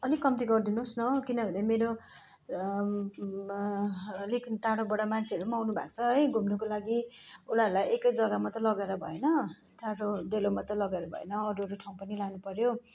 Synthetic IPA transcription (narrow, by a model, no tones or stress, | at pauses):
ʌlikʌmt̪iɡʌrd̪inusnʌkinʌbʱʌnemeɾo | ʌlikʈaɽobʌɽamant͡sʰeʌɾumawnubʱa̰kt͡sʰʌʌjɡʱumnukolaɡiunʌɾulajekʌjd͡zʌɡamat̪ʌlʌɡeɾʌbʱʌenʌ | ʈaɽoɖelomat̪ʌlʌɡeɾʌbʱʌ̰ḛnʌːɾuʌɾuʈʰaw̃pʌnilanupʌɾjo